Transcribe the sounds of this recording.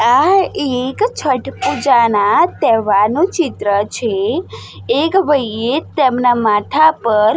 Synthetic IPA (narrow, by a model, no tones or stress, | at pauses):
aekt͡ʃʰəʈpud͡ʒanat̪ɛʋanũt͡ʃit̪ɾət͡ʃʰeː | kʋəjet̪emnamat̪ʰapəɾ